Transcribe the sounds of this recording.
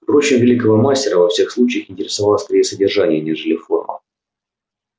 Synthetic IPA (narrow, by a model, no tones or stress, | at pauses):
pɾo̞t͡ɕɪmvʲɪlʲikəvəmasʲtʲɪɾəvɐfsʲe̞xslˠut͡ɕɪjəxɪnʲtʲɪɾʲɪsɐvalˠəsʲk̪ɐɾʲejəsədʲɪrʐanʲɪjənʲeʐɨlʲɪfo̞̰rmə̰